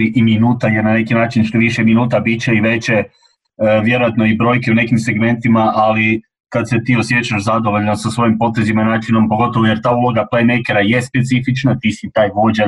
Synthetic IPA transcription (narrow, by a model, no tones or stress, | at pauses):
iʔiminuːt̪ajenane̞kinaːt͡ʃinʃt̪oʋiʃeminuːt̪abit͡ɕeiʋe̞t͡ɕe̞ | ʋje̞ɾojat̪no̞ibɾo̞ːjkeune̞kimse̞ɡme̞nt̪imaʔali | kad̪se̞t̪iːo̞sjet͡ɕaʃzad̪o̞ʋo̞ʎnosasʋo̞jimpo̞t̪e̞zimainaːt͡ʃino̞mpo̞ɡo̞t̪o̞ʋoje̞ɾt̪aːulˠo̞ɡaplemejke̞ɾaje̞spe̞t̪sifit͡ʃnat̪isit̪aːjʋo̞ːd͡ʑa